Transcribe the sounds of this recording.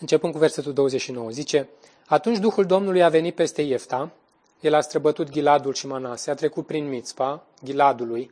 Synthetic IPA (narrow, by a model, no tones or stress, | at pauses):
ɨnt͡ʃe̞pɨnkuve̞rse̞t̪uld̪o̞wəzeʃino̞wəzit͡ʃe̞ | at̪unt͡ʃʲd̪uxuld̪o̞mnulujave̞nit̪̚pe̞st̪e̞je̞ft̪a | je̞last̪ɾəbət̪ut̪ɡʲilad̪ulʃimanaseat̪ɾe̞kut̪̚pɾinmit̪spa | ɡʲilad̪uluj